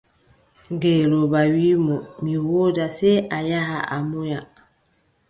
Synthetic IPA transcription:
ŋɡelobawimɔmiwodasɛajaɦaa̰moja

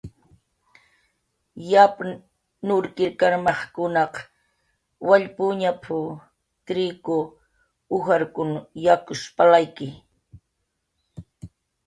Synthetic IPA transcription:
jap | nʊɾkɪɾkaɾmɑχkʊnɑq | waʎpʊɲapʰʊ | kɾɪkʊ | ʊxaɾkʊnjakʊʃpalajkɪ

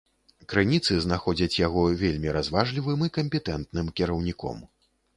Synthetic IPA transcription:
kɾɨnʲit̪sɨznaxɔd͡zʲɐt͡sʲjaɣɔvʲelʲmʲiɾazvaʐlʲivɨmikɐmʲpʲɛt̪ɛnt̪nɨmkʲɛɾɐwnʲikɔ̰m

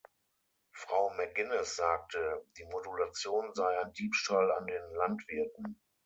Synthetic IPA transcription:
fʁ̥aʊmɛɡɪnɛsz̥aːk̚tʰəd̥iːmodulat͡sjoːnzaɪaɪndiːpʃtala̰ndeːnlantv̥ɪɐtn̩

